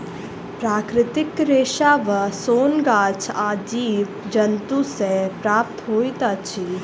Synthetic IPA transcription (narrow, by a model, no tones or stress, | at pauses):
pɾaːkɾɪt̪ɪkɾeːʃaːʋəsoːnɡaːt͡ʃʰaːd͡ʒiːʋ | d͡ʒɐnt̪usepɾaːp̚t̪ɦoːit̪aːt͡ʃʰi